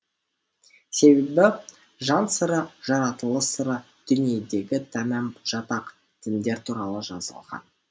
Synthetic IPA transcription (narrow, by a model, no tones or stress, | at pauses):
se̞be̞bɪ | ʒɑnsəɾəʒɑɾɑt̪əlˠəsəɾə | d̪̥ʏnije̞d̪e̞ɡʲɪt̪ʰæmæmʒ̥ɑt̪ɑq | t̪ʰɪmd̪e̞ɾt̪ʰuɾɑlˠəʒɑ̰zə̰lˠʁɑ̰n